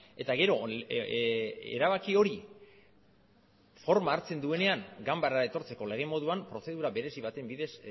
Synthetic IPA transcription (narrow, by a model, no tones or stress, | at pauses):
e̞t̪aɣe̞ɾo̞ | e̞̰ɾaβ̞akio̞ɾi | fo̞ɾmaːɾt͡se̞nd̪ue̞ne̞aŋɡambaɾae̞t̪o̞ɾt͡se̞ko̞le̞ɣ̞e̞mo̞ðuampɾo̞θe̞ð̞uɾaβe̞ɾe̞siβ̞at̪e̞mbiðe̞s